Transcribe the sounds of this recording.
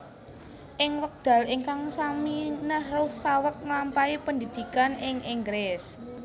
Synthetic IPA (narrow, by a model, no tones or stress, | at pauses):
ʔɪŋwək̚d̪̥a̤liŋkaŋsaminəhrʊhsawək̚ŋlampaipənd̪id̪̥i̤kanʔɪŋʔɪŋɡɾɪs